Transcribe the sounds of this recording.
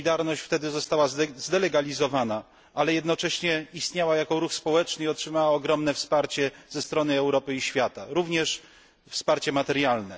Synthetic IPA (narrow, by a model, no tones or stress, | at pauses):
id̪aɾnɔɕt͡ɕft̪ɛd̪ɘzɔst̪awazd̪ɛlɛɡalʲizɔvana | ʔalɛjɛd̪nɔt͡ʂɛɕɲɛist̪ɲawajakɔɾuxspɔwɛt͡ʂnɘiɔtʂɘmawaɔɡɾɔmnɛfspaɾt͡ɕɛz̥ɛst̪ɾɔnɘɛwɾɔpɘiɕfʲjat̪aɾuvɲɛʂ | fspaɾt͡ɕɛmat̪ɛɾjalnɛ